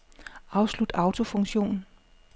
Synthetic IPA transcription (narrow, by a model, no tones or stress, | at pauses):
ɑ̈ʊslud̥ɑ̈ʊt͡sʰo̝fɔ̽ŋɕo̝̰ːnn̩